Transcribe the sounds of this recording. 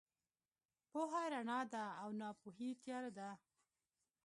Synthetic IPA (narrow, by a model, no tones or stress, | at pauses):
poɦajɾaɳɑd̪aːwnɑpuɦit̪jɑɾad̪a